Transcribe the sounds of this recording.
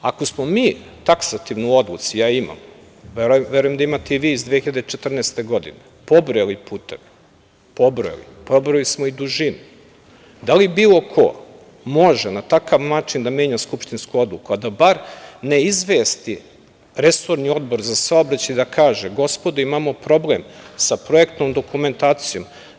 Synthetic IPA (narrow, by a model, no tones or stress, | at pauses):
ako̞smomiːt̪aksat̪iʋnuuo̞d̪lˠṵt̪sijaːima̰m | ʋeʋeɾujed̪aimat̪eiʋiːzd̪ʋeːxiʎad̪et͡ʃet̪r̩neːst̪e̞ɡo̞d̪ḭne | po̞bɾojelipuːt̪eʋi | pobɾojḛlḭ | pobɾolismoid̪uʒinu | d̪alibiːlˠokʰo̰ | mo̞ʒenat̪akaʋnaːt͡ʃind̪ame̞ːɲaskupʃt̪inskuo̞d̪lukuad̪abaɾne̞izʋeːst̪i | ɾesoɾnio̞d̪bo̞ɾzasaobɾat͡ɕaid̪akʰaːʒeɡo̞spo̞d̪uimamo̞pɾo̞blemsapɾoekt̪nomd̪o̞kume̞nt̪aːt̪sijo̞m